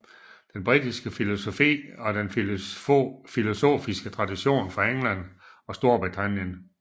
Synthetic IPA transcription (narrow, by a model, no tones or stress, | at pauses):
d̥enb̥ʁid̥isɡ̥əfilo̝so̝fḭːɒ̽den | filo̝so̝̰ːfisɡ̥ət͡sʰʁɑ̈diɕo̝̰ːnfɑ̈eŋlæn̰ | ɒ̽sd̥o̝ɐb̥ʁit͡sʰæn̰jən